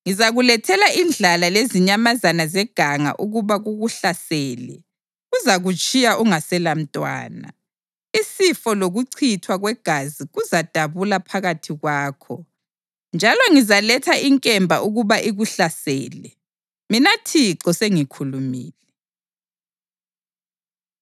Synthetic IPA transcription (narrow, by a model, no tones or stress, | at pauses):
ŋizaɣulɛtʰɛlaʔind͡ɮʱalaleziɲamazanazɛɡ̥ʱaŋa̰ʔuɣuβaɣuɣuɬasɛːlɛ̰ | ɣuzaɣut͡ʃʼijaʔuŋasɛlam̩tʼwa̰ːna̰ | isifɔloɣuǀʰitʰwaɣwɛɡ̥ʱaziɣuzad̥ʱaβulapʰaɣatʰiɣwaːkʰɔ | nd͡ʒʱalɔŋizalɛtʰaiŋkʼɛmbʱaʔuɣuβaʔiɣuɬasɛ̰ːlɛ | minatʰiǁɔseŋikʰulumiːlɛ